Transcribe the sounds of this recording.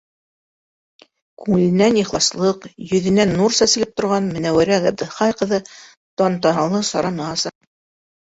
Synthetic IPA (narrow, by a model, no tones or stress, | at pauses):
kʉŋɘ̆lɘ̆nːæniχlˠɑslˠɤqjɵ̆ðɘ̆nænːuɾsæsɘ̆lɘp̚t̪ŏɾʁɑnmɘ̆næwɘɾækæb̚d̪ɘχɑjqɤ̆ðɤ | t̪ɑnt̪ɑnɑlˠɤsɑɾɑnɤɑsɑq